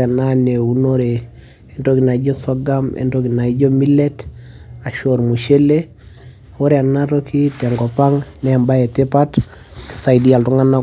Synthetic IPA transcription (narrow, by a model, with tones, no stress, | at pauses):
a˨nane˨u˦noɾe˨ | e˨ntoki˨na˨i˦ɟɔ˦sɔ˦ɡamɛ̰˨nto˦ki˨na˨i˦d͡ʒɔ˦mi˦lɛ˦ta˨ʃoɾmu˨ʃe˦le˦ | o˦ɾe˨a˨nato˦ki˦tɛ˨ŋɡɔ˨pa˦ŋnɛa˨mba˦jɛ˨te˦pat | ki̥˨sa˨idi˦a˨ltu˦ŋa˦na˦